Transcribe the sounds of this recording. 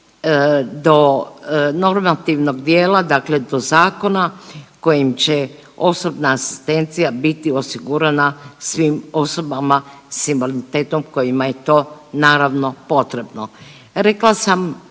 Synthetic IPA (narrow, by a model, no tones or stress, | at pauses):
d̪o̞ | no̞ɾmat̪iʋno̞ɡd̪jeːlad̪akle̞d̪o̞zaːko̞nako̞jimt͡ɕe | o̞so̞bnaːsi̥st̪e̞nt̪sijabit̪io̞siɡuɾanasʋimo̞so̞bama | simboliit̪eːt̪omko̞jimaje̞t̪o̞ːnaːɾaʋno̞po̞t̪ɾe̞bno | ɾeklasam